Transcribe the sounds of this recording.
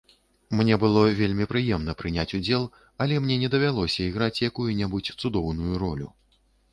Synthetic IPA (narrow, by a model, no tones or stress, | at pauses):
mnʲɛbɨlˠɔvʲelʲmʲipɾɨjɛmnɐpɾɨnʲat͡sʲud͡zʲɛlˠ | ɐlʲɛmnʲɛnʲɛd̪ɐvʲalˠɔsʲɐiɣɾat͡sʲjakujunʲɛbut͡sʲt̪sud̪ɔwnujuɾɔlʲṵ